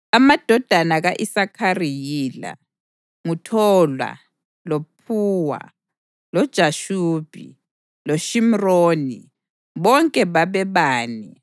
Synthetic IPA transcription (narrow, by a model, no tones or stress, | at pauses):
amad̥ʱɔd̥ʱanaɣaʔisakʰarijila̰ | ŋutʰɔlwa̰ | lopʰuːwa̰ | lɔd̥ʒ̥ʱaʃuːb̥ʱḭ | loʃim̩roːni | βɔŋkʼɛβaβɛβaːni